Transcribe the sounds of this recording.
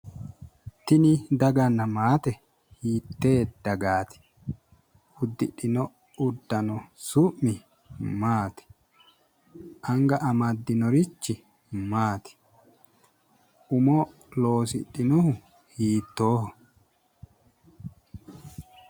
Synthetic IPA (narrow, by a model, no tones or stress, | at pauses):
t̪ɪnɪd̪ɐɡɐnːɐmaːt̪ɛ | hiːt̪ːe̞ːd̪̥ɐɡaːt̪ɪ̥ | ʊd̪ːɪᶑɪnɔ | ʊd̪ːɐnɔsʊʔːɪ | maːt̪ɪ̥ | ʔɐŋɡɐʔɐmɐd̪ːɪnɔɾɪt͡ʃːɪ | maːt̪ɪ̥ | ʔʊmɔ | lo̞ːsɪɗɪnɔhʊ | hiːt̪ːo̞ːhɔ